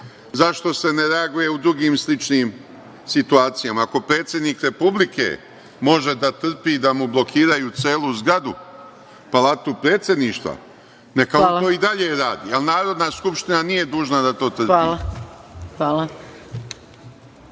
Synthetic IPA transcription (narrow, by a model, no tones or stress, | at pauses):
zaʃt̪o̞se̞ne̞ɾe̞aɡuje̞ud̪ɾuɡiːmslit͡ʃniːm | sit̪uaːt̪sijamaako̞pɾe̞ːt̪sje̞d̪niːkɾe̞publikʰḛ | mo̞ʒe̞d̪at̪r̩piːd̪amublˠo̞kʰiːɾajut̪seːluzɡɾad̪u | palat̪upɾe̞ːt̪sje̞d̪niːʃt̪ʋa̰ | nekaoo̞ːid̪aʎe̞ɾaːd̪ḭalˠnaːɾo̞d̪naskupʃt̪inanije̞d̪uːʒnad̪at̪o̞ːt̪r̩aila | aːla